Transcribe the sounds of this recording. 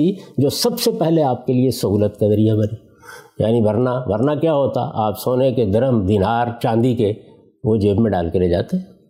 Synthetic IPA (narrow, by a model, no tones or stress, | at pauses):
id͡ʒoːsɐbsepɛɦleaːp̚keliesɐɦuːlət̪kɐd̪ɐɾiabɐni | ja̰ːnibɐɾnaʋɐɾnakjaːɦoːt̪a̰aːpsoːneked̪ɐɾəmd̪inaːɾt͡ʃãːnd̪ike | ʋod͡ʒeːbmẽɖa̰ːlkeleːd͡ʒa̰ːt̪eɦɛ̃ː